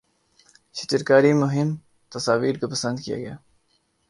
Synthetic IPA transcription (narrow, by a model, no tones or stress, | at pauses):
ʃɪt̪ɪɾkaːɾimʊɦɪm | t̪ɐsaːʋiːɾkapɐsə̃nd̪kija̰ɡɐja̰ː